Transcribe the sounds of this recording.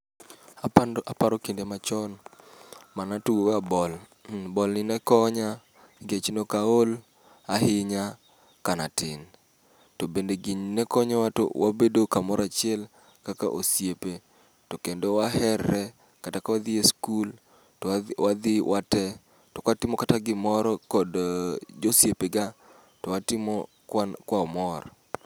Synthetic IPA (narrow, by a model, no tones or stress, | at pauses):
apapaɾɔkindemat͡ʃɔn | manatuwowabɔl | bɔlnɪnɛkɔɲa | ɡet͡ʃnokaol | aɦɪɲa | kana̰tɪn | tobendeɡiɲnɛkɔɲawato̰wabedokamɔɾat͡ʃɪɛl | kaka̰ʔosjepe | tokendowaɦɛrːɛ | katakawad̪ɪeskul | wad̪ɪwʔatɛ | tɔkatɪmɔkataɡɪmɔɾɔkɔdd͡ʒosjepeɡa | tɔwatɪmɔ | kwaɔmɔɾ